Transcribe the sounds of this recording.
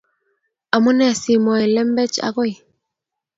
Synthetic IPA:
a˨mu˦nɛ˨si˨mɔ˨ɛ˨lɛ˦m˦bɛ˦t͡ʃa̰˨ɣo˦j

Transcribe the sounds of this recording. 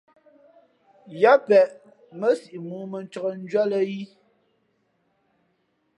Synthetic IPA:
ja˦pɛ˨ʔ | mə˦si˨ʔi˨muː˨˦mə˨n˦t͡ʃɔ˨ɣə˨n̩˦d͡ʒɥɔ˦lə˦ji˦

